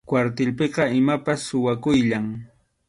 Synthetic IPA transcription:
kwaɾt̪ɪlpeqɑɪmapasːʊwakʊjʎaŋ

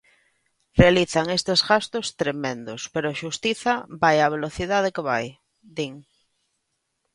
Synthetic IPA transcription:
realiθaŋest̪ezɣast̪ost̪ɾemẽnd̪ospeɾoʃust̪iθabajaβ̞eloθiðað̞ekeβaj | d̪iŋ

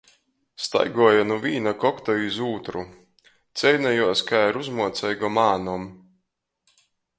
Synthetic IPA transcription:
st̪a̰jɡuɔjanuvʲiːnakɔkt̪ɔizuːt̪ɾu | t̪sɛjnajuɔskajɾuzmuɔt̪sɛjɡɔmaːnɔm

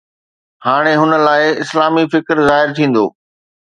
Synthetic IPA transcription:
haːɽ̃eɦʊnə̆laːɪɪslaːmifɪkɾzaːɦɪɾt̪ʰĩːn̆d̪o̰ː

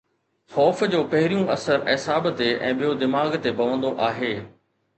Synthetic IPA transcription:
xɔːfd͡ʑoːpɐɦɪɾijũʔɐsəɾɛsaːbt̪eɛ̰̃ːɓijod̪ɪmaːɡt̪ebɐʋə̃nd̪oʔaːɦeː

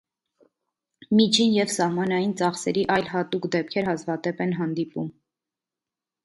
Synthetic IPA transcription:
mit͡ʃʰinjɛvsɑhmɑnɑjint͡sɑχsɛɾiʔɑjlɦɑt̪ukd̪ɛp̚kʰɛɾhɑzvɑd̪ɛpɛnɦɑnd̪ipum

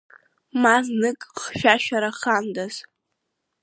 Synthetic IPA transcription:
maznɨkʼχʃᶣaʃᶣaɾaχandaz

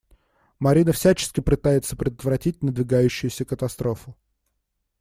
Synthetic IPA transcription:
mɐɾʲinəfsʲæt͡ɕɪ̥skʲɪpɨt̪ajɪt̪səpɾʲɪd̪ət̪vɾɐtʲit̚ʲnəd̪vʲɪɡajʉɕːʊjʊsʲəkət̪ɐst̪ɾo̞fʊ

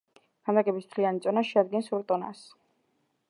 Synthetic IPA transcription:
ɡ̥amd̪aɡɛbism̥t̪ʰlianit̪sʼɔnaʃɛad̪̚ɡɛnsuɾt̪ʼɔna̰s

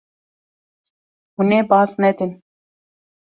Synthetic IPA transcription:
huneːbɑːsnɛd̪ɪn

